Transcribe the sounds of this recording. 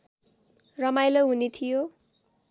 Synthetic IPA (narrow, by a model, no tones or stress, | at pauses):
rʌmajlʌɦunet̪ʰijo